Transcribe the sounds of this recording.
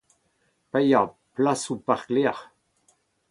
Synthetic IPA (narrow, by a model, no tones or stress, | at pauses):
pɛja | plasupaʁklɛːʁ